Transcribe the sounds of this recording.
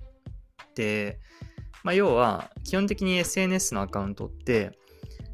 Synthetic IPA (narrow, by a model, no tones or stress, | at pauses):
d̪̥e̞ | majo̞ːβa̰kʲihont̪̬e̞kʲiɲ̟ie̞sɨe̞ːn̟e̞sɨno̞akaɯ̟̃nt̪o̞̰t̪ːe̞